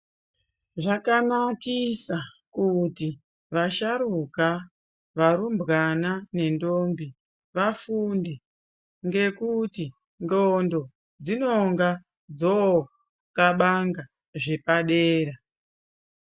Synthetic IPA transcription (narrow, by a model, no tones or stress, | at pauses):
ʐakanakisa | kuti | ʋaʃaɾuka | ʋaɾumbɣanane̞ndombi | ʋafunde | ŋɡe̞kuti | ndondo̞ | d͡zino̞ŋɡa | d͡zo | kaɓaŋɡa | ʐe̞paɗeːɾa